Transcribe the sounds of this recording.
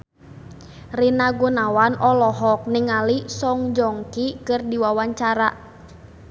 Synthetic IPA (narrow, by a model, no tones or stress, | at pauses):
rinaɡunawanʔɔlɔɦɔk̚niŋalisɔŋd͡ʒɔŋkikɨrdiwawaɲt͡ʃaɾa